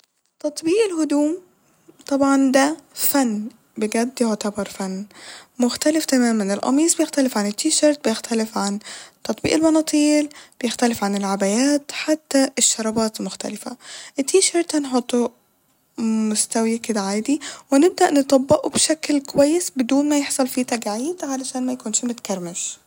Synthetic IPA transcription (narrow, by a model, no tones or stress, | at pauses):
t̪ɑt̪ˤbiːʔɪlhʊd̪uːm | t̪ˤɑbʕɑnd̪æfænː | bɪɡæd̪ːoʕt̪ɑbɑɾˤfænːmʊxt̪ælɪft̪æmæːmænɪlʔɑ̰miːsˤbɪjext̪ælɪfʕanɪt̪ːiːʃɑɾˤt̪̚bɪjɪxt̪ælɪfʕant̪ɑt̪ˤbḭːʔɪlbɑnɑːt̪ˤiːlb̥ejɪxt̪ælɪfʕanɪlʕabæjæːt̪ħat̪ːæʔeʃːɑɾˤɑbɑːt̪lmʊxt̪æ̰lɪfæ̰ʔet̪ːiːʃɑɾˤt̪hænħot̪ˤːo | mʊst̪æwiked̪æʕaːd̪iwenɪb̚d̪æʔnet̪ˤɑbːeʔubʃæklkowæjːesbed̪uːnmæjeħsˤɑlfiːt̪æɡʕiːd̪ʕalæʃæːnmæjkuːnʃmot̪kæɾˤmeʃ